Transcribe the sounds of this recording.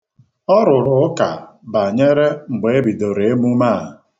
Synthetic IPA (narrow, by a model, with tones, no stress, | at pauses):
ɔ˦ɾʊ˨ɾʊ˨˦ka̰˨ | ba˨ɲe˦ɾe˦ŋ͡m̩˨ɡ͡be˨e˦bi˨do˨ɾe˨e˦mu˦ma˦˨